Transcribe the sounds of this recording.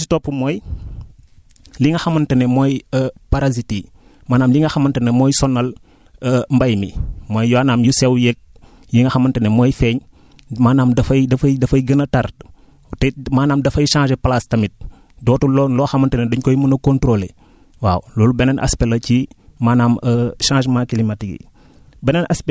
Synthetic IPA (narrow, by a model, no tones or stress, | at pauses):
sitopːumoːj | liŋɡɐxɐmɐntɐnemɔjəpaɾazitiː | maːnaːmliŋɡɐxɐmɐntɐnemɔjsɔnːɐl | mbajmimoːjjaːnaːmjusɛwjɛk̚ | jiŋɡɐxɐmɐntɐnemoːjfɛːɲ | maːnaːmdɐfɐjdɐfɐjdɐfɐjɡənɐtaɾ | tɛmaːnaːmdɐfɐjʃãːʒepalastɐmit̚ | dɔːtulɔːnlɔxɐmɐntɐneduɲkojimɐnɐkõntɾole | wa̰ːwlɔːlubɛnɐnʔa̰spelɐcimaːnaːməʃãːʃmakilimatiɡḭ | bɛnɐnaspe